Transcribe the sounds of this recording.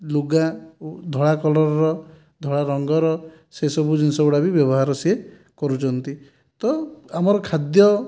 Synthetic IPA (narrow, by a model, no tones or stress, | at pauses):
luɡad̪ʱɔɭakɔlɔɾɔɾɔ | d̪ʱɔɭaɾɔŋɡɔɾɔ | sesɔbud͡ʒinsɔbuɽabibjɔβɔɦaɾɔsie | kɔɾut͡ʃʰɔnt̪i | t̪ɔamɔɾɔkʰad̪jɔ